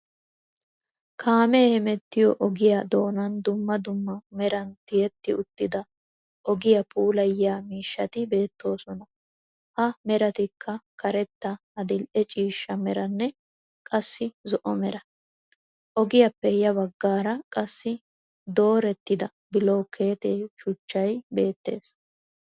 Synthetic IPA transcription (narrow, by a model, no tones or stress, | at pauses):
kʰaːmɛːhɛmɛt̪ːɪjɔʔɔɡɪjad̪o̞ːnɐnd̪ʊmːɐd̪ʊmːɐmɛɾɐnt̪ɪjɛt̪ːɪʊt̪ːɪd̪ɐ | ʔɔɡɪjɐpʰʼuːlɐjɪjaːmiːʃːɐt̪ɪbe̞ːt̪ːo̞ːsɔnɐ | ʔɐmɛɾɐt̪ɪkʰːɐkɐɾɛt̪ːɐ | ɐd̪ɪlʔɛt͡ʃʼiːʃːɐmɛɾɐnːɛ | kʼɐsːɪzɔʔɔmɛɾɐ | ʔɔɡɪjɐpːɛjɐβɐɡːaːɾɐkʼɐsːɪ | d̪o̞ːɾɛt̪ːɪd̪ɐ | bɪloːkʰe̞ːt̪eːʃʊt͡ʃːɐjbe̞ːt̪ːe̞ːs